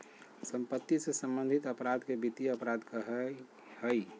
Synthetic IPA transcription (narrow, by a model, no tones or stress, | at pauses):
sə̃mpət̪ːisesə̃mbə̃nd̪ʱit̪əpɾad̪kebit̪iəpɾad̪kəɦ | həi